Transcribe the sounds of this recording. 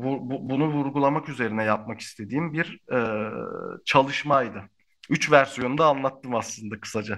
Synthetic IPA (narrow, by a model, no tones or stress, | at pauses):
vuɾbubunuvuɾɡulˠamakyze̞ɾinɛjap̚maki̥st̪ʰe̞d̪iːmbiɾɛ | t͡ʃʰalˠɯʃmajd̪ɯ | yt͡ʃvæɾsijo̞nud̪aːnlˠat̪ːɯmaslˠɯnd̪akʰɯ̥sad͡ʒa